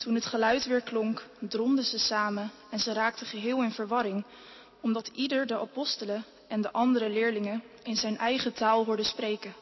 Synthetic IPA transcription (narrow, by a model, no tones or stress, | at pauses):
tunɦətχəlœɥtʋɪːɹklɔŋkdrɔmdəzəsaːmən | ɛnzəraːk̚təχəɦɪːlˠɪnvəɹʋɑɾɪŋ | ɔmdɑtidəɹdəɑpɔstələ | ɛndəʔɑndəɾəlɪːɹlɪŋəɪnzɛjnʔɛjχətaːlˠɦʊːɹdəsprejkən